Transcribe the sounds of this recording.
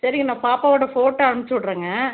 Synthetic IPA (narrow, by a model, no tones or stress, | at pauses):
sɐɾɪŋɡɐnãːpaːpaːʋɐɽɐfoːʈːɐɐːɾɐmt͡ʃɔɭːɾɐːŋɡɐ